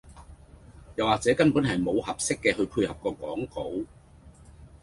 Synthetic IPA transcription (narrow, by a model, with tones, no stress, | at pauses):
jɐ˨waː˨k̚t͡sɛː˨˥kɐ˥npuː˨˥nhɐ˨jmo˨˧whɐ˨p̚sɪ˥kːɛː˧ɦɵ˧pʰuː˧jhɐ˨p̚kɔː˧kɔː˨˥ŋko˨˥w